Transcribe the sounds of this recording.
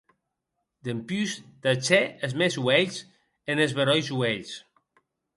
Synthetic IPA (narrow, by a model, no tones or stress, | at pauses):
d̪empyzd̪at͡ʃeezmezwɛʎs | enezβeɾɔjzweʎs